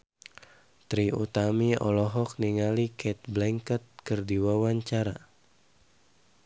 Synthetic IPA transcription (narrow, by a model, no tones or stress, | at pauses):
t̪ɾiut̪amiɔ̰lɔɦɔk̚niŋalikʰɛt̪̚blɛŋkət̪̚kɨrdiwawaɲt͡ʃaɾa